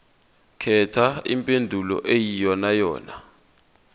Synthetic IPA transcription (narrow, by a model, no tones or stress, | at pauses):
kʰɛtʰaḭmpʼendʱulɔ̰ʔejijɔnajɔ̰ːna̰